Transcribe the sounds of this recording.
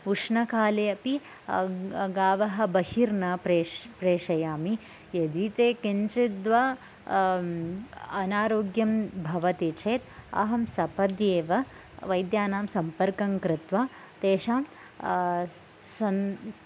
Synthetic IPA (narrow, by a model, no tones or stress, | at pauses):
uʂnɐkʰaːleɐpi | ɡaːʋɐɦɐ̆bɐhiɾnɐepɾeːʂɐjaːmi | jɐd̪it̪eːkint͡ʃid̪ʋa | ɐnaːɾoːɡjɐmbʱɐʋɐt̪it͡ʃʰeːt̪ɐ̰ɦɐmsɐpɐd̪jeːʋɐ | ʋɐjd̪jaːnaːmsɐmpɐɾkɐŋkɾɪt̪ʋaː | t̪eːʃaːm | ɐn